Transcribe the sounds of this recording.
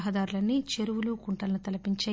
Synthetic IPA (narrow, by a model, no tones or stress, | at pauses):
ɦɐd̪aːɾulɐnːit͡ʃeɾuʋulukuɳʈɐlɐnut̪ɐlɐpiɲt͡ʃɐ